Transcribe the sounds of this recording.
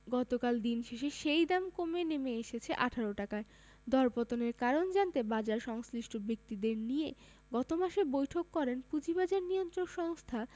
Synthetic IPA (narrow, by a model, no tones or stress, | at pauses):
ɡɔt̪okald̪inʃeʃeʃejd̪amkomenemeeʃet͡ɕʰeʔaʈʰaɾoʈakae | d̪ɔɾpot̪oneɾkaɾond͡ʑant̪ebad͡ʑaɾʃɔŋsliʃʈʰobek̚t̪id̪eɾnije | ɡɔt̪omaʃebojʈʰokːɔɾenpud͡ʑibad͡ʑaɾnijont̪ɾonʃɔŋst̪ʰa